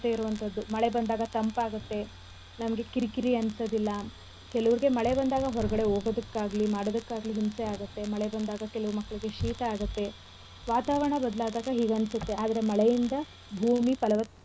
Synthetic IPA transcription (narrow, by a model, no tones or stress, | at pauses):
t̪eiɾuʋɐnt̪ʰɐd̪ːumɐɭe̞bɐnd̪aːɡɐt̪ɐmpaːɡut̪ːe̞ | nɐmɐɡe̞kiɾikiɾiɐnsɐd̪ilːɐ | kɛlɐʋɐɾiɡe̞mɐɭe̞bɐnd̪aːɡɐɦɔɾɐɡɐɽe̞oːɡod̪ɐkːaːɡɐlimaːɽod̪ɐkːaːɡɐliɦimseaːɡut̪ːe̞mɐɭebɐnd̪aːɡɐkɛlɐʋuɾmɐkːɐɭiɡe̞ʃiːt̪ɐaːɡut̪ːe̞ | ʋaːt̪aːʋɐɾɳɐbɐd̪laːd̪aːɡɐɦiːɡɐnsut̪ːe̞aːd̪ɐɾe̞mɐɭejind̪ɐ | bʱuːmipɐlɐʋɐ